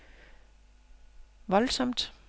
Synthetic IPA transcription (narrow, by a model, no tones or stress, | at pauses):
ʋɒ̽lsɒ̽m̰d̥